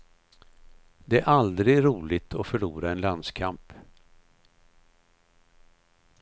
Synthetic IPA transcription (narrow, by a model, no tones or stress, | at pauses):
d̪ɛæɾʔald̪ɾɪɡɾuːlɪt̪ʰɔfœɭuːɾaɛnland̪skʰamp